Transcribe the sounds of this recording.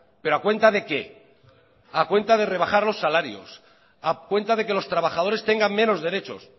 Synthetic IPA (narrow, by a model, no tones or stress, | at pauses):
pe̞ɾoakwe̞nt̪aðe̞ke̞ | akwe̞nt̪að̞e̞re̞β̞axaɾlo̞sːalaɾjo̞̰s | akwe̞nt̪aðe̞ke̞lo̞st̪ɾaβaxaðo̞ɾe̞st̪e̞ŋɡaŋmẽ̞no̞zðe̞ɾe̞t͡ʃo̞̰s